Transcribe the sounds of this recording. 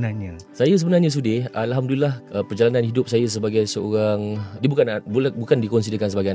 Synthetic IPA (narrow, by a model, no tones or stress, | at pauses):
naɲasajas̬əbənarɲãs̬udɪalɦamdulilahəpərd͡ʒalananhidʊp̚sajas̬əbaɡajsəoɾaŋdibukan̚bulbukandikɔnsidəkans̬əbaɡajan